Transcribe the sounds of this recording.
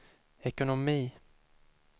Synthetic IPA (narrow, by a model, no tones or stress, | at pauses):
ɛkʊnɔmiː